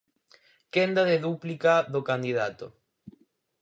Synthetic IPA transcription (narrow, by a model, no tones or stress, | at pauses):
kend̪aðeðuplikaðokand̪iðat̪o̰